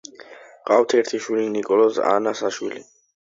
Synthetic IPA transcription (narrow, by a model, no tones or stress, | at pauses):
qʼawt̪ʰɛɾt̪ʰiʃwilinikʼɔlɔza̰nasaʃwili